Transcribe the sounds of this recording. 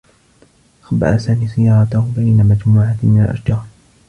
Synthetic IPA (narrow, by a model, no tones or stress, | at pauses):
ʔaxba̰ʕasaːmiːsɪjːɑːɾˤɑt̪abajnamad͡ʒmuːʕamɪnalʔa̰ʃd͡ʒɑːɾˤ